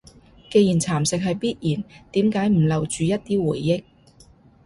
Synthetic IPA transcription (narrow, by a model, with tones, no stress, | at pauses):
ke˧jiː˨˩nt͡sʰaː˨˩msɪ˨k̚ɦɐ˨jpiː˥t̚jiː˨˩nt̪iː˨˥mkaː˨˥jm̩˨˩lɐ˨wt͡ʃyː˨˧jɐ˥t̚t̪iː˥wuː˨˩jːɪ˥k̚